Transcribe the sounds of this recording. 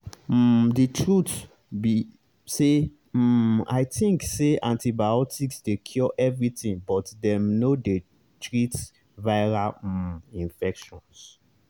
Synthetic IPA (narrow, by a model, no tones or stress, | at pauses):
ditʰɹut | bi | se | a̰ɪtĩŋkseãntibaɔtʰiksdekʰjɔʔɛvɹitĩŋbɔtdɛ̃mnode | tɹit | vaɪɹal̩ĩnfɛkʃɔ̃ns